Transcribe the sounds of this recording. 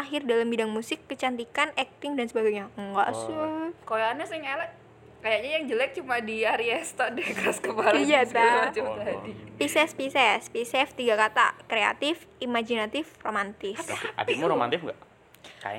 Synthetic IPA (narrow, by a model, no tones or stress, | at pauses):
aɦɪrdalambidaŋmusɪkːət͡ʃant̪ikanɛk̚t̪ɪŋdansəbaɡajɲaŋɡa̰ʔsəkolaanɲasaŋalaʔ | kajaʔɲajaŋd͡ʒəlɛk̚t͡ʃumadiaɾiɛst̪adɛhkəɾaskəbalajaasmat͡ʃamt̪adipisɛspisɛspisɛft̪iɡakat̪a̰kɾea̰t̪ɪfimad͡ʒinat̪ɪfromant̪ɪsa̰dimuɾoma̰nt̪ɪfŋɡa̰ʔ | ka̰ja̰